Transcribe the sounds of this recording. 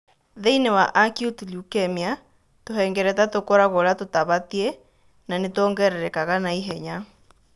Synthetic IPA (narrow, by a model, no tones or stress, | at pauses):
ðeinewaʔakjutuljukɛmia | toɦɛŋɡɛɾɛtatokoɾaɣoɾatotaβatie | nanetɔːŋɡɛɾɛɾɛkaɣanaiɦɛɲa